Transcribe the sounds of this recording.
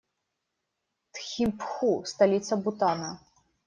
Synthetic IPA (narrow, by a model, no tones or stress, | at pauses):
t̪xʲimpxust̪alʲit̪sɐbut̪anɐ